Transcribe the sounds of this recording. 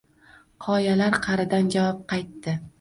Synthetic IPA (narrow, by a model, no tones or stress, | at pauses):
qʰɒjalaɾqʰɑɾɪd̪and͡ʒavɒp̚qʰɑjt̪ːɪ